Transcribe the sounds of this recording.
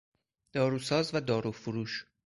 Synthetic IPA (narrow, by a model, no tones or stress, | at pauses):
d̪̥ɒːɾuːsɒːzvæd̪ɒːɾufuɾuːʃ